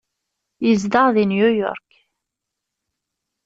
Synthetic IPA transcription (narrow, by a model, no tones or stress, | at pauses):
jizd̪əʁðinjujɔ̰ɾk